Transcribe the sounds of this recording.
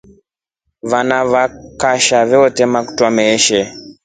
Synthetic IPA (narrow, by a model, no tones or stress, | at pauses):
vanaβakaʃavɛɔtɛmaku̥twamɛʃɛ